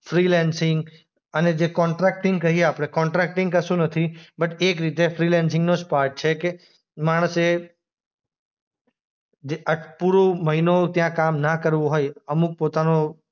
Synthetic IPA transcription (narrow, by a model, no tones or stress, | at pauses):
fɾilɛnsɪŋɡ | əned͡ʒekɔ̃ɳʈɾɛk̚ʈɪ̃ŋɡ̚kəɦieapɽ̃ekɔɳʈɾɛk̚ʈɪ̃ŋkəsũnət̪ʰibəʈekɾit̪efɾilɛnsɪ̃ŋɡnospaɾʈ̚t͡ʃʰeke | maɽ̃əse | d͡ʒeʔəʈʰpuɾoməɦinot̪jãkamnakəɾʋũɦojəmuk̚pot̪ano